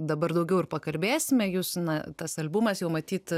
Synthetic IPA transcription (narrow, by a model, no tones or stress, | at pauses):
d̪ɐbɐrd̪ɐʊɡʲɛʊɪrpɐkɐlʲbʲeːsʲɪmʲɛjuːsnɐt̪ɐsɐlʲbʊmɐsjɛʊmɐt̪ʲiːt̪